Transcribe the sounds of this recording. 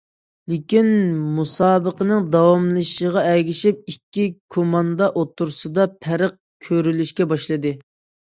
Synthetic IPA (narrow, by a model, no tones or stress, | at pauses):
lɪkʲinmusɑːbəqənɨŋd̪ɑwɑmlˠɨʃəʁɑɛɡʲiʃip̚ikʲːikʰomɑnd̪ɑʔot̪ːuɾsɨd̪ɑpʰæɾəq̚kʲʰøɾylyʃkʲɛbɑʃlˠɨd̪ɨ